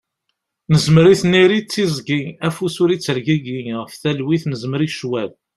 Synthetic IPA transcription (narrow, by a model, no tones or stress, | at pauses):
nəzməɾiθniɾit͡sːizɡiæfusuɾit͡sːəɾɡiɡiʁəfθælwiθnəzməɾiʃwæl